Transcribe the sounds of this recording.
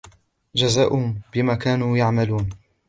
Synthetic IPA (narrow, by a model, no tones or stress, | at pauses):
d͡ʒazaːʔʊbɪmaːkaːnuːjaʕmaluːn